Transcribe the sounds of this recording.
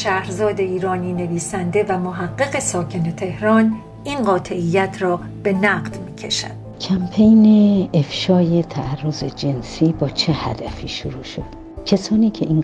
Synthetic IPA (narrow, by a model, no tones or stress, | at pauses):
ʃæhɾzɒːd̪e̞iːɾɒːniːne̞viːsænd̪e̞væmoɦæɢːe̞ɣe̞sɒːcʰe̞ne̞t̪ʰe̞hɾɒːn | inɢɒːt̪ʰe̞ʔijːæt̪ʰɾɒː | b̥e̞næɢd̪̥miːcʰe̞̰ʃæ̰d̪̥ | cʰæmpʰejneefʃɒːjet̪ʰæːrːozed͡ʒe̞nsiːbɒːt͡ʃʰehæ̰d̪̥æfiːʃoɾuːʃo̰d̪̥ | cʰesɒːniːcʰeʔiŋ